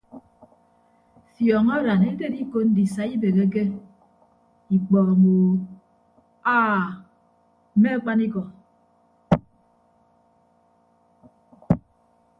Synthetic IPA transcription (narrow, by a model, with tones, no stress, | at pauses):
fjɔː˨ŋa˦ɾa˨ne˦de˦di˦ko˦n̩˦di˨sa˨i˦be˨ɣe˦k̬e˦ | i˨k͡pɔ˨ɾɔ˨moː˨ | aː˦˨ | m̩˨˦me˦a˦k͡pa˦ni˦kɔ˨